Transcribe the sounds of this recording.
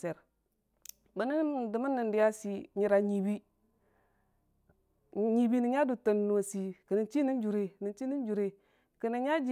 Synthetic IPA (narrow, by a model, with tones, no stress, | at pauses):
se˨ɾ | bə˨ni˦di˨mə˦nːi˨ndi˨ja˦si˨ɲi˨ɾa˨ɲi˨bi˦ | ɲi˨bi˦ni˨ɲa˦du˨to˨n˨no˨si˨kə˨ni˨nt͡ʃi˦ni˦nd͡ʒu˨ɾe˨ni˨t͡ʃi˦ni˦nd͡ʒu˨ɾe˨ | ki˨ni˨˦ɲa˦d͡ʒi˦